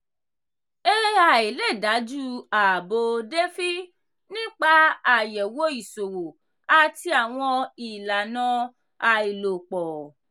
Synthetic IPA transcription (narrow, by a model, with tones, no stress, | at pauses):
e˦e˦a˨i˨lɛ˦˨da˨˦d͡ʒu˦a˨bo˧de˦fi˦ | nĩ˦k͡pa˦a˨jɛ˨wo˦i˦˨so˨wo˨ | a˧ti˦a˨w̃ɔ̃˧i˨la˨nã˦ | a˧i˨lo˨k͡pɔ˨